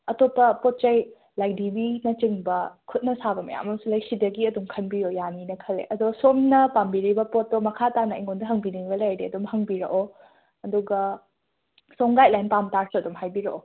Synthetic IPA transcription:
ɐtopːɐpot̚t͡ʃɐj | lajdibinɐt͡ʃiŋbɐkʰut̚nɐsabɐmɐja̰mɐmsulɐjsidɐɡiɐdumkʰɐnbijojaninɐkʰɐlːḛʔɐduɡɐsomnɐpambiɾibɐpotːomɐkʰatanɐʔḭŋondɐɦɐŋbiniŋɡɐlajɾiɐdumɦɐŋbiɾɐ̰ʔo | ɐduɡɐ | soŋɡajlajnpamtaɾsuɐdumɦajbiɾɐʔo

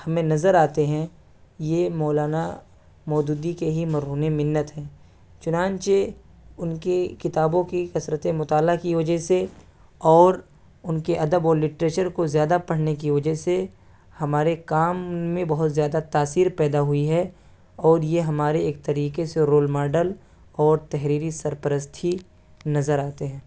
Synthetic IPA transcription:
hɐmẽnɐzəɾaːt̪eɦɛ̃ | jemɔːlaːna | mɔːd͡ʒ̪uːd̪ikeɦimɐɾɦuːnemɪnːət̪ɦɛ̃ː | t͡ʃʊnãːnt͡ʃe | ʊnkekɪt̪aːbõkikɐsɾət̪ẽmʊt̪aːlakiʋɐd͡ʒəɦse | ɔːɾ | ʊnkeʔɐd̪əbɔːɾlɪʈɾeːt͡ʃəɾkozjaːd̪apɐɽ̤nek̬iʋɐd͡ʒəɦse | hɐmaːɾekaːmːẽbɐɦʊt̪zjaːd̪at̪aːsiːɾpɛːd̪aɦʊiɦɛ | ɔːɾjeɦɐmaːɾeeːk̚t̪ɐɾiːkeseɾoːlmaːɖəl | ɔːɾt̪ɛɦɾiːɾisɐɾpəɾəst̪ʰi | nɐzəɾaːt̪eɦɛ̃ː

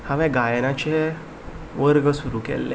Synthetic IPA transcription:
hãʋɛ̃ɡajnat͡ɕe | ʋəɾɡəsuɾukɛ̰lːḛ

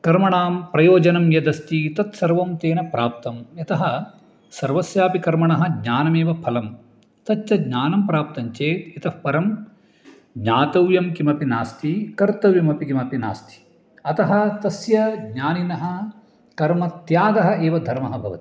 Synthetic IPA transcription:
kɐɾmɐɳaːmpɾɐjoːd͡ʒɐnɐmjɐd̪ɐst̪it̪ɐt̪sɐɾʋɐmt̪eːnɐpɾaːp̚t̪ɐmɐt̪ɐɦɐ | sɐɾʋɐsjaːpikɐɾmɐɳɐɦɐ̆ɡɲaːnɐmeːʋɐpʰɐlɐm | t̪ɐt͡ʃt͡ʃɐdɲaːnɐmpɾaːp̚t̪ɐɲt͡ʃeːt̪it̪ɐhpɐɾɐm | ɡɲaːt̪ɐwjɐmkimɐpinaːst̪ʰikɐɾt̪ɐwjɐmɐpikimɐpina̰ːst̪ʰi̥ | ɐt̪ɐɦɐt̪ɐsjɐɡɲaːninɐɦɐ | kɐɾmɐt̪jaːɡɐɦɐ̆ʔeːʋɐd̪ʱɐɾmɐɦɐbʱɐʋɐ̰t̪i̥

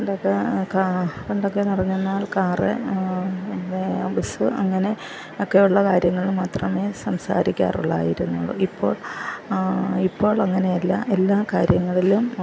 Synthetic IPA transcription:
ɳɖokːekareɳɖokːenirɐɲːunːaːlkaːrḛ | ebisɨɐŋːɐne̞ | okːejuɭːɐkaːɾjɐŋːɐɭmaːt̪rɐme̞sɐmsa̰ːɾikʲːa̰ːrṵɭːa̰ːjiɾunːuɭːo̰ipːo̞ːɭ | ipːo̞ːɭɐŋːɐne̞jɐlːɐ̰ʔe̞lːaːkaːɾjɐŋːɐɭilum

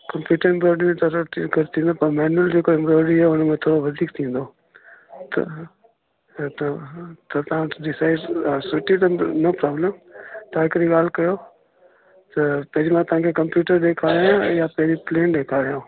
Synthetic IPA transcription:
kɐ̃mpjuːʈəɾɪ̃mbɾoːɖimẽt̪ɐɾkɐɾt̪ʰĩːn̆d̪opɐɾmɛːnəld͡ʑeːkoɪ̃mbɾoːɽiɦɛʊnmẽt̪ʰoːɾoʋɐd̪ʱiːk̚t̪ʰĩːn̆d̪oː | t̪ɐ̰ | t̪ɐt̪ɐt̪ɐãɗɪsaːɪɖsʊʈit̪ɐnɐpɾaːbləmt̪aɪkɾiɠaːl̤kɐjo | t̪ɐpɐɦɪd͡ʑimãt̪ɐʋ̤ãːkʰekɐ̃mpjuːʈəɾɗeːkʰaːɾijãjapɐɦɪd͡ʑipleːnɗeːkʰaːɾijãː

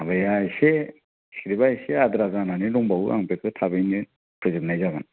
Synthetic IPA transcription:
abajajse | si̥kɾibajseadɾazananiɾɔŋbawʔa̰ŋpekʰɯtʰabɯjnɯ | pʰɾɯzɯt̚najzaɡɯn

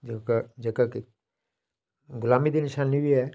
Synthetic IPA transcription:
d͡ʒkːd͡ʒəkakɪ | ɡʊlaːmiːd̪inɪʃaːnːibiːɛː

